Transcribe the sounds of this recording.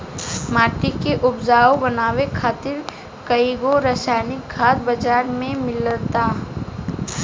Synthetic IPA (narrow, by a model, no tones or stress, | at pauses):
maːʈikeʔʊbd͡ʒaːobɐnaːwekʰaːt̪ɪɾ | kəiɡoɾəːsaːnɪk̚ɡʱaːd̪bɐd͡ʒaːɾmẽmɪlt̪aː